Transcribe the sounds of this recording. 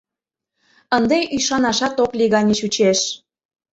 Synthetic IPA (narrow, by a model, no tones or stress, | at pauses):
ənd̪eʔyjʃɑnɑʃɑt̪okliɣɑnʲeʃut͡ɕeʃ